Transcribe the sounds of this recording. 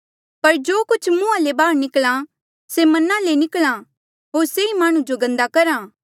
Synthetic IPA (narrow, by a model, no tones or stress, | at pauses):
pɐɾd͡ʒoːkʊt͡ʃʰmũːalebaːɾnɪkla | semɐnalenɪklã | ɦoːɾseimaːɽ̃ũd͡ʒoɡɐ̃nd̪akɐɾaː